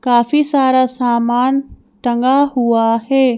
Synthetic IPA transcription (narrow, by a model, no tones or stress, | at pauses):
kaːfisaːɾasaːmaːn | ʈɐ̃ŋɡaɦuaɦeː